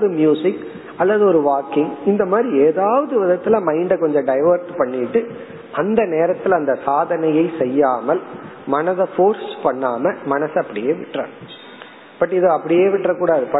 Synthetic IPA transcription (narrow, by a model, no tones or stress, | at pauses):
ðɯmjuːsɪkː | ɐlːɐðɯɔɾɯʋaːkɪŋɪnd̪ɐmaːd̪ɾieːðaːʋɐðɯʋɪðɐt̪ːɪlɐmɐɪɳɖɐkɔɲd͡ʒɐ̃ɖɐɪʋɐɾʈpɐɳːɪʈːɯ | ʔɐnd̪ɐneːɾɐt̪ːɪlɐnd̪ɐsaːðɐnɐjɐɪsɛjːaːmɐlmɐnɐðɐfoːɾspɐɳːaːmɐmɐnɐsɐpːɐɽɪjeːʋɪ̰ʈːra̰ːn | pɐʈːɪðɯɐpːɐɽɪjeːʋɪʈːrɐkuːɽaːðɯpɐ